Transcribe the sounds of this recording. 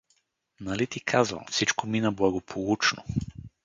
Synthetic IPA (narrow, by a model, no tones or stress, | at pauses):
nɐlit̪ikʰazvə̰mfsit͡ʃkominɐblˠɐɡopʰolˠut͡ʃno̰